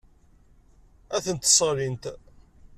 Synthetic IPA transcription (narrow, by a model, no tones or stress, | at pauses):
æθənt̪sˤəɾint̪